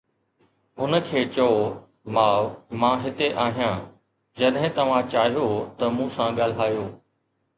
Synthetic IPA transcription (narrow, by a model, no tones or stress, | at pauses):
ɦʊnə̆kʰeːt͡ɕɐo | maːʋmãːɦɪt̪eʔaːɦijãː | d͡ʑɐɗɦɪ̃t̪ɐʋ̤ãt͡ɕaːɦijot̪ɐmũsãɠaːl̤aːjoː